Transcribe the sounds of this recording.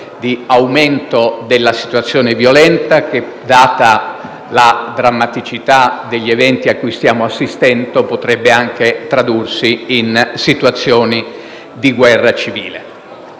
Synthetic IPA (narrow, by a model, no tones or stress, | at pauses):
d̪iawment̪od̪elːasi̥t̪wat̪sːjɔːnevjolɛnt̪ak̟e | d̪ːaːt̪a | lad̪ɾamːat̪it͡ʃit̪ad̪eʎːevɛnt̪iakːujst̪jaːmoasːist̪ɛnt̪opot̪ɾɛbːeaŋk̟et̪ɾad̪ursiinsit̪uat̪sːjɔːni | d̪iɡwɛrːat͡ʃivḭːle